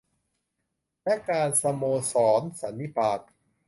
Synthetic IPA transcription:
lɛ˦˥kaː˧nsa˧moː˧sɔː˩˦nsa˩˦nːi˦˥pʰaː˨˩k̚

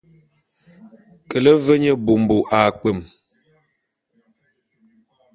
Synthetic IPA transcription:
kə˨lə˦və˦ɲə˦bo˨m˨bo˨ʔa˨k͡pə˨m

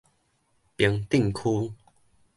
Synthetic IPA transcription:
pji˨˦ŋt̪i˥˧˨ŋkʰu˦

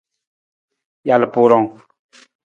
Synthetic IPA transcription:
ja˨lpʊ˨ɾɔ˨ŋ

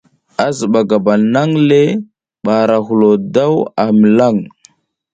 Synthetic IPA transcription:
a˦zə˨ɓa˨ɡa˨ba˨na˦ŋle˦ | ɓa˨ɾa˨ɦu˨lo˨da˦wa˨mi˨la˦˨ŋ

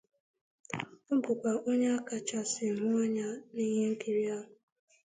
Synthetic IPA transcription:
m̩˦bʊ˨kʷa˨ʔo˦ɲe˦a˦ka˨t͡ʃa˨sɪ˨ɦʊ˦ɔ˦ɲa˦ni˦ɦe˦ŋ̩˦ki˨ɾi˦a˦ɦʊ˨

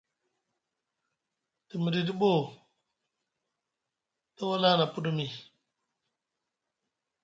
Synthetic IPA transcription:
ti˨mə˨di˨di˦ɓo˦˨ | to˦wa˦la˦na˨pu˦du˦mi˨

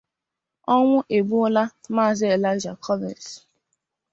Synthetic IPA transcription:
ɔ˦ŋʷʊ˦ʔe˨ɡ͡bu˦ʊ˦la˦ma˦a˨zɪ˦e˨la˦ɪ˦d͡ʒa˨kʰɔ˦vɪ̰˨ns

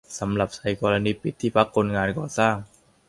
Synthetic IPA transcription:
sa˩˦mla˨˩p̚sa˨˩˦jkɔː˧ɾa˧niː˧pi˨˩t̪ʰːiː˥˩pʰa˦˥kʰːo˧nŋaː˧nkɔː˨˩saː˥˩ŋ

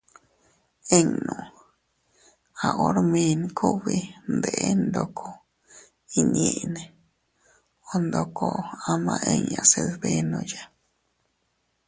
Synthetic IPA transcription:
e˧ŋnũ˨ | a˨ʔo˦ɾmẽ˧nkʰu˦βi˧nd̪e˨ʔe˦nd̪o˧kʰo˧ | i˧ɲẽ˧˨ʔne˨ | o˧nd̪o˧kʰo˧a˧mã˧ʔe˧ŋã˧˨se˧lbe˧nõ˧ja˧

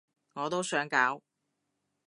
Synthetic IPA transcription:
ŋɔː˨˧t̪o˥wsœː˨˥ŋkaː˨˥w

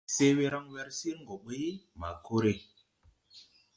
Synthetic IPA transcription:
se˦we˦ɾa˦ŋwɛ˦ɾsi˦ɾŋ˨ɡo˨ɓə˦jma̰˨ko˦ɾe˨

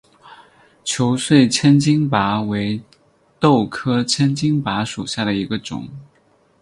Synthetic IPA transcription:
t͡ɕʰjo˧˥ʊswe˥˩ɪt͡ɕʰə˥nt͡ɕi˥ŋpa˧˥we˧˥ɪ | t̪o˥˩ʊkʰɤ˥t͡ɕʰə˥nt͡ɕi˥ŋpa˧˥ʂu˨˩ɕja˥˩ɾə˩i˧˥ɡə˧ʈ͡ʂʊ̰˨˩˦ŋ

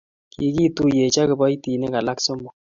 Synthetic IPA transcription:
ki˨ki˦tu˦je˨t͡ʃa˦kɨ˨bɔ˦i˦ti˨ne˦ka˨la˦kso˦mɔ˨

